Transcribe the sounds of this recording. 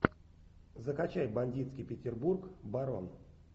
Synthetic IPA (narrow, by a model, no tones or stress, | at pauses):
zəkɐt͡ɕæjbɐnʲdʲit̪skʲijpʲɪtʲɪrburkbɐɾo̰n